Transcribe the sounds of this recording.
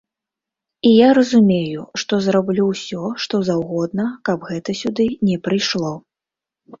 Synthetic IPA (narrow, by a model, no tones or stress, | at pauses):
ijaɾɐzumʲejuʂt̪ɔzrablʲuwsʲɔʂt̪ɔzawɣɔd̪nɐkɐbɣɛt̪ɐsʲud̪ɨnʲɛpɾɨjʂlˠɔ